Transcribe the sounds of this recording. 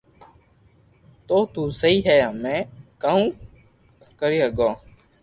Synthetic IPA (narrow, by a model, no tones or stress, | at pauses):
t̪oːt̪ũːsəiːɦɛːjãːmɛ̃ːkaːũː | kəɾiːɦəɡõː